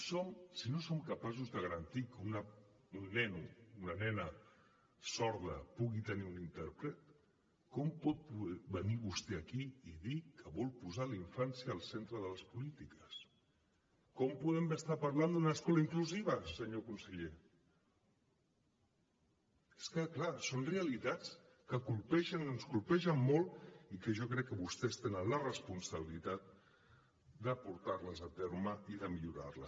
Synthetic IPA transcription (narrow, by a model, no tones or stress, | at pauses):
somsinosomkəpas̬uzðəɣəɾənt̪ikunə | unːɛnuunənɛnə | sɔɾðə̰puɣit̪əniunint̪ɛɾpɾət̪̚ | kɔmpɔt̪̚pubəniβust̪ɛəkiiðikʰəβɔlˠpuzaliɱfansjəːlˠsent̪ɾəðələspulit̪ikəs | kɔmpuðɛmbəst̪apɐɾland̪unəːskɔləiŋkluziβ̞əsəɲokunsəʎe | eskəklasonreəlit̪at͡s | kəkulpɛʃənənskulpɛʃəmːolˠtikəʒɔkɾɛkːəβust̪ɛst̪enənlərəspunsəβilit̪at̪̚ | d̪əpuɾt̪arləzət̪ɛɾməiðəmiʎuɾa̰rləs